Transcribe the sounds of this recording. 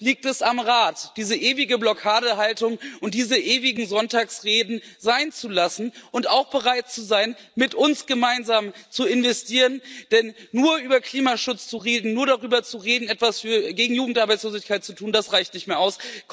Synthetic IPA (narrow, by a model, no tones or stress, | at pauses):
liːk̚tɛsamʁaːtd̥iːzəʔeːvɪɡəblɔkʰaːɾəɦaltʊŋʔʊnt̚d̥iːzəʔeːvɪɡŋ̩zɔntaːksʁeːdn̩zaɪnt͡sulasn̩ʔʊntaʊxb̥əʁaɪt̚t͡suzaɪn | mɪtʊnsɡ̥əmaɪnzaːmt͡suɪnvɛstʰiːʁənd̥ɛnːuːɐʔyːbɐkl̥iːmaʃʊt͡st͡suʁeːdn̩nuːɐɾaʁyːbɐt͡suʁeːdn̩ɛtv̥asfyːɐɡeːɡŋ̩juːɡŋ̩tʔaɐbaɪt͡ssloːzɪçkʰaɪt̚t͡sutʰuːndasʁaɪçtnɪçtmeːɐʔaʊsk